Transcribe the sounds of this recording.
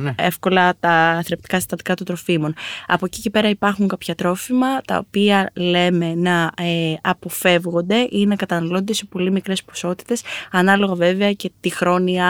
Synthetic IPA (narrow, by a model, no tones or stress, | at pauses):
e̞fko̞lɐt̪ɐθeɾept̪i̥kɐsi̥t̪ɐnd̪ikɐt̪ot̪ɾo̞fimo̞nɐ̰pocice̞pe̞ɾɐipɐɾxuŋkɐpçɐt̪ɾo̞fimɐt̪ɐ̰o̰piɐle̞me̞nɐeɐpo̞fe̞vɣo̞nd̪e̞ʔinɐkɐt̪ɐnɐlo̞nd̪ese̞po̞limikɾe̞spo̞̥so̞t̪i̥t̪e̞sɐnɐlo̞ɣɐve̞veɐce̞t̪ixɾo̞niɐ